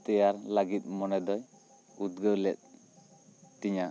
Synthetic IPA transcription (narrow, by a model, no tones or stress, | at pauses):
t̪ɛjaɾlaɡit̪̚mɔnɛd̪ɔj | ut̪̚ɡəwlɛt̪̚ | t̪iɲa